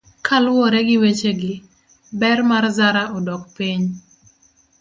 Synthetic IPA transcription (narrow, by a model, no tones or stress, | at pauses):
kʰalwɔɾɛɡɪwet͡ʃeɡɪ | bɛrmarzaɾaʔɔdɔkpiɲ